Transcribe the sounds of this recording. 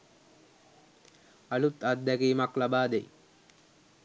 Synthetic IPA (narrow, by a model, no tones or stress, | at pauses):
alut̪at̪ːækiːmaklabaːd̪ej